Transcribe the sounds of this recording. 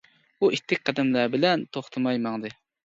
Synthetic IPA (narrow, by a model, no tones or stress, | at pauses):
buʔit̪ʰːɪk̚ʲqʰɑd̪ɛmlæbɪlɛnt̪ʰoχt̪ʰɨmɑjmɑŋd̪ɨ